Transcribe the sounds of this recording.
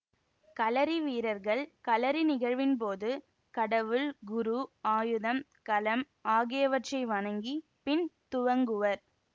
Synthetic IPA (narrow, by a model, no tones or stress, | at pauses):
kɐlɐɾiʋiːɾɐɾɣɐɭkɐlɐɾinɪɣɐɻʋɪnp̬oːðɯ | kɐɽɐʋɯɭɡʊɾuaːjɯðɐm | kɐlɐm | aːɣɪjɐʋɐʈrɐɪʋɐɳɐŋɡi | pɪnt̪ʊɻɐŋɡɯʋɐɾ